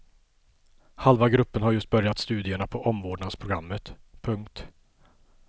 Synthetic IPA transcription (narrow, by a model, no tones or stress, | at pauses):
halvaɡɾɵpːənɦaɾjɵst̪̚bœɾjat̪st̪ʉ̟ːd̪ɪəɳapʰɔʔɔmvoːɖɳad̪spʰɾʊɡɾamːət̪pʰɵŋkt̪